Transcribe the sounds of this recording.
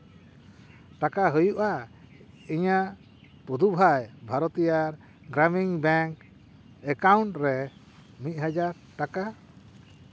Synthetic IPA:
ʈakaɦəjuʔa | iɲaʔ | pud̪ʱubʱajbʱaɾɔt̪ijaɾ | ɡɾamiŋbɛŋk | ɛkauɳʈɾɛ | mit̪̚ˀɦad͡ʒaɾ | ʈaka

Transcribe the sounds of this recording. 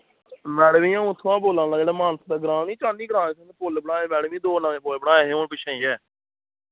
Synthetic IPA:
mɛːɽmĩːjãːut̪ʰːãːboːlãːnd̪aːd͡ʒeːɽaːmaːnsd̪aːɡəɾãːnĩːt͡ʃãːniːɡəɾãːẽːsənpʊlbəɽaːẽːmɛːɽmĩːd̪oːnãːẽːpoːebəɽaːẽːɦeõːpɪʃʰãːiːɛː

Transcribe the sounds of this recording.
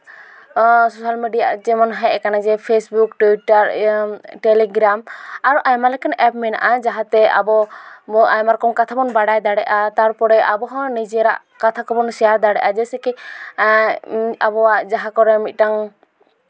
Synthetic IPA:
sosalmeɖijad͡ʒɛmɔnɦajɛkanad͡ʒɛpʰesbukʈuiʈaɾʈɛlɛɡɾamaɾuʔajmalɛkanɛp̚mɛna̰ʔad͡ʒaɦat̪ɛa̰bɔ | ajmaɾkɔŋkat̪ʰabɔnbaɽajd̪aɽɛʔat̪aɾpɔɾɛʔabɔɦɔ̃nid͡ʒɾa̰ʔ | kat̪ʰakɔbɔnsɛjaɾd̪aɽɛ̰ʔad͡ʒɛsɛkɛ | abɔwaʔd͡ʒaɦakɔɾɛmit̪̚ʈaŋ

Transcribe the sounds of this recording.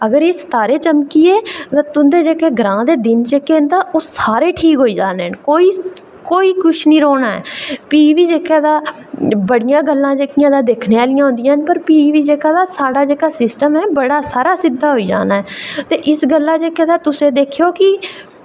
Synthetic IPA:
əɡəɾeːst̪aːɾeːt͡ʃəmkiːeːt̪ãːt̪ʊnd̪eːd͡ʒeːkeːɡɾãːd̪eːd̪ɪnd͡ʒeːkeːnd̪aːʔosaːɾeːʈʰiːkɦoːiːd͡ʒaːneːnkoːiː | koːiːkʊt͡ʃʰnĩːɾoːnaːɛ̰ːpiːʋiːd͡ʒeːkaːd̪aː | bəɽɪjãːɡəlːãːd͡ʒeːkɪjãːd̪aːd̪eːkʰneːaːlɪjãːɦʊ̃nd̪ɪjãːnpəɾpiːʋiːd͡ʒeːkaːd̪aːsaːɽaːd͡ʒeːkaːsɪsʈəmɛːbəɽaːsaːɾaːsɪd̪aːɦoːiːd͡ʒa̰ːnaːɦɛːt̪eːʔɪsɡəlːaːd͡ʒeːkeːd̪aːt̪ʊsẽːd̪eːkʰjoːkɪ

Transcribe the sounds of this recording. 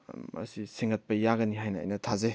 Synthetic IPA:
mɐ̰siseŋɐt̚pɐjaɡɐniɦajnɐ̰ːjnɐtʰaze

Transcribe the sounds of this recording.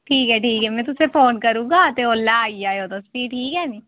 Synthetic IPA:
ʈʰiːkɦɛːʈʰiːkɦɛːmɛ̃ːt̪ʊseːpʰoːnkəɾũːɡaːt̪eoːlːaːaːiːaːeoːt̪õːspiːʈʰiːkɦɛːniː

